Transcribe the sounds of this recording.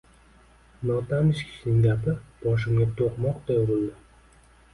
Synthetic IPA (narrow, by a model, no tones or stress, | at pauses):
nɒt̪ʰamɪʃkʲʰɪ̥ʃnɪŋʲɡ̪ʲapɪb̥ɒʃ̬ɪmɡʲat̪ʰoqmɒqd̪ajoʁʊlˠd̪ɪ